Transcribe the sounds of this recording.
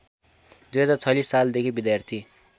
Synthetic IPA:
d̪ujɦʌd͡zat͡sʰʌlisːald̪ekʰibid̪jart̪ʰi

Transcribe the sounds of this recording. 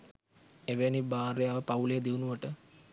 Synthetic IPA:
eʋenibaːɾejaːʋəpaulejːd̪iunuʋəʈə

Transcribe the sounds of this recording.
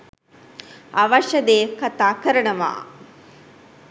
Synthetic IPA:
aʋɐʃɐd̪eːkat̪aːkəɾənəʋa̰ː

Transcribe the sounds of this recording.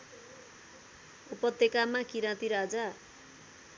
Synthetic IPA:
upʌt̪ːekamakiɾãt̪iɾad͡za

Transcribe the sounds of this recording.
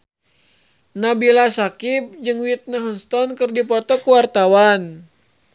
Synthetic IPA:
nabilasakip̚d͡ʒɨŋwit̪̚naɦɔnst̪ɔnkɨrdipɔt̪ɔkuwart̪awan

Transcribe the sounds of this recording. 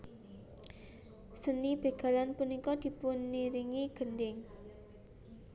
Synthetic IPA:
sənib̥e̤ɡ̥a̤lanpunikɔd̪̥i̤punːiɾiŋiɡ̥əndɪŋ

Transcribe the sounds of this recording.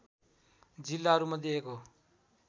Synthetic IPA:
d͡zilːaɦʌɾumʌd̪ieko

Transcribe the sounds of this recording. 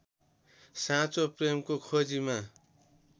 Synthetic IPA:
sãt͡sopremkokʰod͡zima

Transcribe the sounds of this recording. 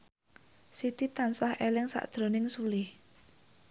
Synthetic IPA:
sit̪it̪ansahʔelɪŋsa̰ʔd̥ʒ̥ɾo̤nɪŋsulɪh

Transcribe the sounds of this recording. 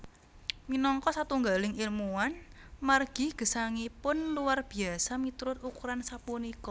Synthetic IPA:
minɔŋkɔsat̪uŋɡalɪŋilmuwan | marɡ̥i̤ɡ̥ə̤saŋipʊnluwarb̥i̤asamit̪uɾʊt̪̚ukuɾansapunikɔ

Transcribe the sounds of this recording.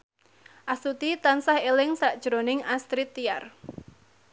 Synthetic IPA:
ʔasut̪it̪ansahelɪŋsaʔd̥ʒ̥ɾonɪŋast̪ɾit̪iar

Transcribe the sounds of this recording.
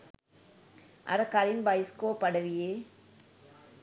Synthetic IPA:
ʔɐ̰ɾɐkalɪnbɐjskoːpɐɽɐʋijeː

